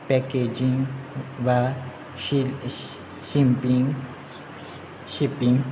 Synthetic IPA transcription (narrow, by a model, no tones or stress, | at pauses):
pɛked͡ʒĩŋʋa | ʃimpĩŋ | ʃipĩŋ